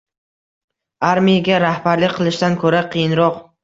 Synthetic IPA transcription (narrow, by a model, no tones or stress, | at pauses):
aɾmijaɡʲaɾahbaɾlɪkʲqʰɨlˠɪʃt̪ankʰɵɾaqʰɨjɪnɾɒq